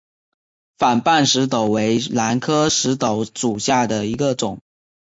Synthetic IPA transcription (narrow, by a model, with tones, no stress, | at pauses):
fa˨˩npa˥˩nʂɻ̩˧˥t̪o˨˩ʊwe˧˥ɪla˧˥nkʰɤ˥ʂɻ̩˧˥t̪o˧˥ʊʂu˨˩ɕja˥˩d̪ə˩i˧˥ɡə˧ʈ͡ʂʊ˨˩˦ŋ